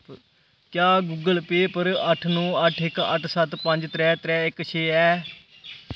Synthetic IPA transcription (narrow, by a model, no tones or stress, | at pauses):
kjaːɡuːɡəlpeːpəɾəʈʰnũːəʈʰɪkə̰ʈʰsət̪pə̃ɲd͡ʒt̪ɾɛːt̪ɾɛːɪkt͡ʃʰeːɛː